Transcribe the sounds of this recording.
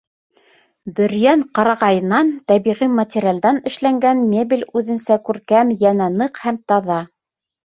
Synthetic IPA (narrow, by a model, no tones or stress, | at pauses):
bɘ̆ɾjæɴqɑɾɑʁɑjɤ̆nːɑnt̪æβiʁimɐt̪ʲɪɾʲɪald̪ɑnɘ̆ʃlæŋɡænmʲebʲilʲʉðɘ̆nsækʉɾkæmjænænɤqhæmt̪ɑðɑ